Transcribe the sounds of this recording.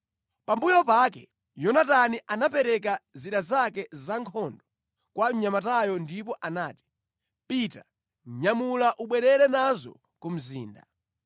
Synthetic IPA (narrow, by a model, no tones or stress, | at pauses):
pambujɔpakɛ | jɔnataniʔanapɛɾɛkaziɗazakɛzaŋkʰɔndɔ | kwaɲamatajɔndipɔʔanaːti̥ | pita | ɲamulaʔuɓwɛɾɛɾɛnazɔ̰ | kum̩zḭːnda̰